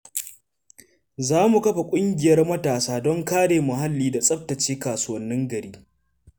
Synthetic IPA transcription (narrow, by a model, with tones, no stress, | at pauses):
zaː˦mu˨kɐ˦ɸa˨kʷʼʊ˦ŋɡʲɪ˨jɐ˦rmɐ˦taː˨saː˦dɔ˦ŋkaː˦ɽeː˨mʊ˨ɦa˦lːiː˦da˨sʼɐ˦p̚tɐ˨t͡ʃeː˦kaː˨su˦wɐ˦nːɪ˦ŋɡɐ˨ɽiː˦